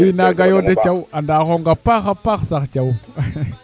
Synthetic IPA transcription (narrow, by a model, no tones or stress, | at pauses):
inaɡajodet͡ʃawandaxoŋɡapaxapaxsaxt͡ʃaw